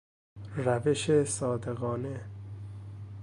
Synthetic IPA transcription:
ræveʃesɒːd̪eɣɒːne

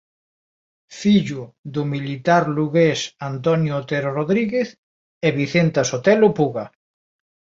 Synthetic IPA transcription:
fiʎʊðʊmilit̪aɾluɣesant̪ɔnjʊt̪eɾoroðɾiɣeθ | eβiθent̪asot̪ɛlopuɣa

